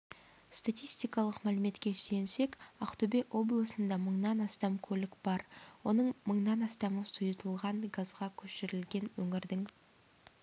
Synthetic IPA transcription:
st̪at̪ijst̪ijkɑlˠəqmælɪme̞t̪kʲe̞syjense̞kʲɑqt̪ɵbeʔo̞blˠəsənd̪ɑməɴnɑnɑst̪ɑmkʲʰɵlɪkb̥ɑɾwo̞nəɴməɴnɑnɑst̪ɑməsujt̪ʰəlˠʁɑɴɡazʁɑkʲʰɵʃɪɾɪlɡʲe̞nwɵŋɪɾd̪ɪŋ

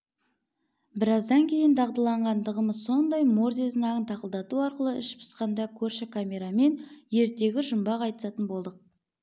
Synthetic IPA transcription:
bɪɾɑzd̪ɑŋkʲʰe̞jɪnd̪ʰɑʁd̪əlˠɑɴʁɑnd̪əʁəməzso̞nd̪ɑjmo̞ɾzeznɑʁənt̪ʰɑqəlˠd̪ɑt̪uɑɾqəlˠəɪʃpʰɪ̥sqɑnd̪ɑkʲʰɵɾʃɪkʰamʲe̞ɾɑme̞nje̞ɾt̪e̞ɡʲɪʒʊmbɑqɑjt̪ə̥sɑt̪ənbo̞lˠd̪əq̚

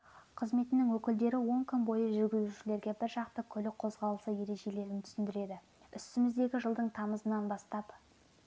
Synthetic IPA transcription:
qʰəzme̞t̪ɪnɪŋwɵkʲɪld̪e̞ɾɪwo̞ŋkʲʰʏnbo̞jəʒʏɾɡʲɪzuʃɪle̞ɾɡʲe̞bɪɾʒɑqt̪əkʲʰɵlɪqʰo̞zʁɑlˠəsəje̞ɾe̞ʒe̞le̞ɾɪnt̪ʰʏ̥sɪnd̪ɪɾe̞d̪ɪ | ʏst̪ɪmɪzd̪e̞ɡʲɪʒəlˠd̪əɴt̪ʰɑməzənɑnbɑst̪ɑp

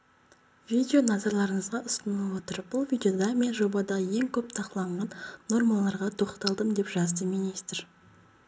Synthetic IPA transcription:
vʲijd̪ʲeo̞nɑzɑɾlˠɑɾəɴəzʁɑʔʊst̪ənɑwo̞t̪əɾb̥ʊlˠvijd̪eo̞d̪ɑme̞nʒo̞bɑd̪ɑje̞ŋkʲʰɵpt̪ʰɑqəlˠɑɴʁɑnːo̞ɾmɑlˠɑɾʁɑt̪ʰo̞qt̪ɑlˠd̪əmd̪e̞pʒɑzd̪əminist̪ɪɾ

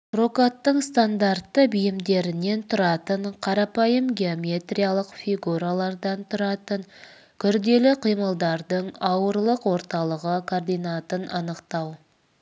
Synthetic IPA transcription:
ro̞kat̪ːəɴst̪and̪art̪ːəbɪjɪmd̪e̞ɾɪne̞nt̪ʰʊɾɑt̪əɴqʰɑɾɑpɑjəmɡʲeo̞mʲe̞t̪rʲijalˠəqfʲiɡuɾalˠɑɾd̪ɑnt̪ʰʊɾɑt̪əɴ | kʲʰʏɾd̪e̞lɪqʰijməlˠd̪ɑɾd̪əɴɑwəɾlˠəqwo̞ɾt̪ɑlˠəʁəkʰord̪ijnat̪ənɑnəqt̪ɑw

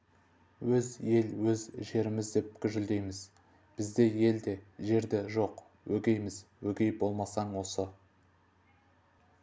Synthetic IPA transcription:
wɵzje̞lwɵzʒe̞ɾɪmɪzd̪e̞p̚kʲʰʏʒʏld̪e̞jmɪz | b̥ɪzd̪e̞je̞ld̪e̞ʒe̞ɾd̪ɪʒo̞q | wɵɡʲe̞jmɪzwɵɡʲe̞jbo̞lˠmɑsɑɴwo̞sə

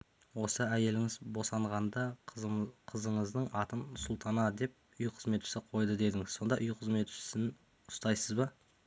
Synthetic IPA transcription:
wo̞səæje̞lɪŋɪzbo̞sɑɴʁɑnd̪ɑ | qʰəzəɴəzd̪əɴɑt̪ənʊsʊlˠt̪ʰɑnɑd̪e̞p̚ | ʏjqʰə̥zme̞t̪ʃɪ̥sɪqʰo̞jd̪əd̪e̞d̪ɪŋɪz̥so̞nd̪ɑʔʊjqʰəzme̞t̪ʃɪ̥sɪn | ʊst̪ɑjsəzbə

